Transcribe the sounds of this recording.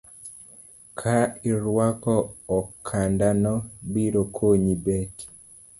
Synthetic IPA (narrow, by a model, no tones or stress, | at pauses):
kʰaiɾwakɔːkʰandanɔbiɾokʰoɲibɛt